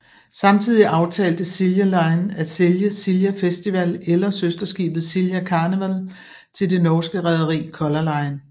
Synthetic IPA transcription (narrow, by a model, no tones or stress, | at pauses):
sɑ̈mt͡sʰið̞̰ˠiʔɑ̈ʊt͡sʰɛ̰ːld̥əsiljælɑ̈ɪnæseljəsiljæfesd̥iʋælelɐsøsd̥ɐsɡ̥ḭːb̥ð̞̩ˠsiljækʰɑ̈ːnəʋæl | t͡sʰe̝ld̥e̝nɒːsɡ̥əʁɛð̞ˠɐʁḭːkʰɒ̽lɐlɑ̈ɪn